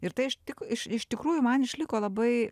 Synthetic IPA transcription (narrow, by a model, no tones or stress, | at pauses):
ɪɾt̪ɐɪɪʃt̪ʲɪkɪʃɪʃt̪ʲɪkɾuːjʊmɐnɪʃʲlʲɪkoːlˠɐbɐɪ